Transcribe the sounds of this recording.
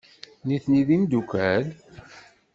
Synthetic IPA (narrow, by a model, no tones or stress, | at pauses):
niθniðimd̪ukʷæl